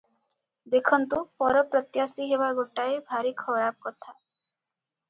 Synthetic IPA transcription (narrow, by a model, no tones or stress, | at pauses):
d̪ekʰɔnt̪upɔɾɔpɾɔt̪jasiɦebaɡʱoʈaebʱaɾikʰɔɾab̚kɔt̪ʰa